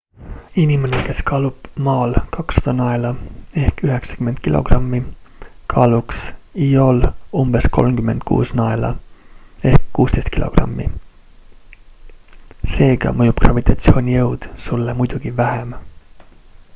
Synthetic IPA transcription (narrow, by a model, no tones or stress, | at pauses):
inʲimeneke̞skɑːlub̥mɑːlkɑksːɑ̥d̪̥ɑnɑelɑe̞hkyɦe̞ksɑ̥kymːend̪̚kilo̞̰ɡ̥rɑmːikʰɑːluksio̞lumb̥e̞sko̞̰lmkyme̞nd̪̥kʰṵːsnɑelɑ̰ | ehkkuːst̪ejst̪kilo̞̰ɡ̥rɑ̰mːḭ | se̞ːɡ̥ɑ̰mɤjub̥krɑ̰vit̪ˑɑt̪sio̞ːnʲijɤwd̪̥sulːemujd̪̥uɡ̥ivæhem